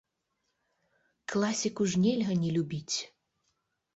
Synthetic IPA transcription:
klˠasʲikuʐnʲɛlʲɦənʲɛlʲubʲit͡sʲ

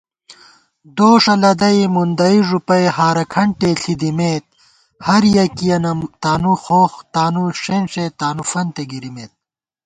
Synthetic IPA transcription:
d̪oːʂɐlɐd̪ɐimund̪ɐiʐupɐjhaːɾɐkʰɐɳʈeɬid̪imeːt̪̚ | hɐɾjɐkijɐnɐmt̪aːnuxoːxt̪aːnuʂenʂet̪aːnufɐnt̪eɡiɾimeːt̪̚

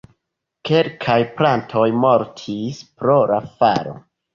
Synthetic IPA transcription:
ke̞ɾkʰajplantʰo̞jmo̞ɾtʰispɾo̞ɾafa̰ɾo̞̰

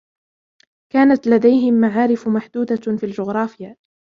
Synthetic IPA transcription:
kaːnat̪lad̪ajɦɪmːaʕaːɾɪfmaħd̪uːd̪afiːld͡ʒʊɣɾˤɑːfɪja

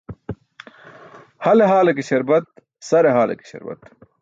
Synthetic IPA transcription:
hɐleɦaːlekiɕɐɾbɐt̪̚ | sɐɾeɦaːlḛki̥ɕɐ̰ɾbɐ̰t̪

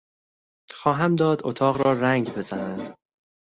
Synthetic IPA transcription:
xɒːɦæmd̪ɒːd̪ʔo̰t̪ʰɒːɣɾɒːɾæŋɡbe̞zænænd̪̥

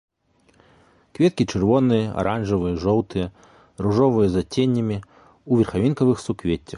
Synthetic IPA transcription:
kvʲɛt̪̚kʲit͡ʂɨrvɔnɨjɐʔa̰ɾʔanʐɐvɨjɐʐɔwt̪ɨjɛ | ruʐɔvɨjɛzat͡sʲenʲːɐmʲi | uvʲɐrxavʲinkɐvɨxsukvʲet͡sʲːɐx

